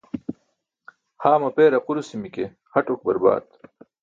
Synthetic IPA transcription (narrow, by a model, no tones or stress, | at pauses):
haːmɐpeːɾɐquɾusimike | xɐʈok̚bɐɾba̰ːt̪